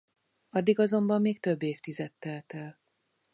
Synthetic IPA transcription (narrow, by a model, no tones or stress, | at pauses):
ɒd̪ːiɡɒzo̞mbɒmːeːkt̪øbːeːft̪izɛt̪ːɛlt̪ɛl